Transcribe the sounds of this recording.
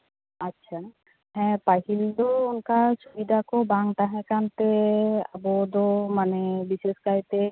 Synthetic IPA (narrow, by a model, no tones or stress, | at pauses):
atːʃʰa | ɦɛ̃paɦild̪ounkasubid̪ʱakɔbaŋʈaɦɛ̃kant̪ea̰bɔd̪omanebiseskajt̪e